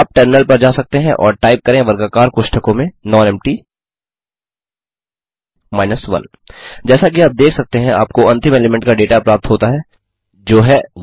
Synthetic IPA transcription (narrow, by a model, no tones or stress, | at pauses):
aːp̚ʈɐɾnəlpɐɾd͡ʒaːsɐk̚t̪eɦɛ̃ʔɔ̰ːɾʈaːɪp̚kɐɾẽʋɐɾɡakaːɾkʊʃʈʰəkõmẽnɔ̃ːɛ̃mʈi | maːɪnəsʋɐ̰̃n | d͡ʒɛːsakiaːp̚d̪eːkʰsɐk̚t̪eɦɛ̃a̰ːp̚koɐ̃nt̪ɪ̃meːlɪmɛ̃ɳʈkaɖeːʈaɐpɾaːp̚t̪ɦoːt̪aɦɛː | d͡ʒoːɦɛ